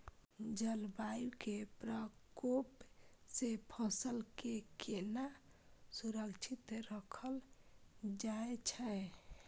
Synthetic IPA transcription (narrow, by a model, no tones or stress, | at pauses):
d͡ʒəlbajkepɾəkopsepʰəsəlkekenasuɾəkt͡ʃʰit̪ɾəkʰəl | d͡ʒaet͡ʃʰɛ